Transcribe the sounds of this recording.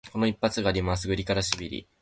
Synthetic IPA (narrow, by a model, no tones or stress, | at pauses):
ko̞no̞ipːat͡sɨɡaːɾʲimas̬ɨɡɯ̟ɾʲikaɾaɕibʲiɾʲḭ